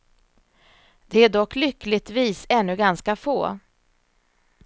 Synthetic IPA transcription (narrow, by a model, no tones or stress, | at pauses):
d̪̥ɛæɖɔkːlʏkːlɪt̪viːsɛnːɵɡanskafoː